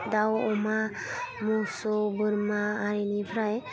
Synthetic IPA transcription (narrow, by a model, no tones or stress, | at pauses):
d̪awɔma | musɔbɯɾmaːɾinipʰɾaj